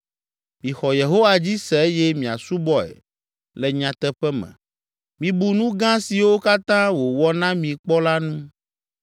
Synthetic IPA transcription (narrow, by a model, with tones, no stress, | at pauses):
mĩ˨xɔ˨je˨ɦo˦wa˨d͡ʑi˦sɛ˨e˦jɛ˦mĩ˨a̰˨su˦bɔ˦ɛ̰˨ | lɛ˨ɲã˨t̪ɛ˦ɸɛ˦mɛ̰̃˨ | mĩ˨bu˨nũ˦ɡã˦si˨wo˦ka˦t̪ã˦wo˨wɔ˦nã˦mĩ˨k͡pɔ˦la˦nũ˦